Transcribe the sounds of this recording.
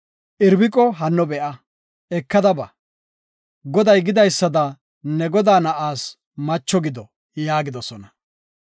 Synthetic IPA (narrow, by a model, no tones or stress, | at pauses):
ʔɪɾbɪkʼɔɦɐnːɔbɛʔɐ | ɛkːɐd̪ɐbɐ | ɡɔd̪ɐjɡɪd̪ɐjsːɐd̪ɐ | nɛɡɔd̪aːnɐʔaːs | mɐt͡ʃːɔɡɪd̪ɔ | jaːɡɪd̪ɔsɔnɐ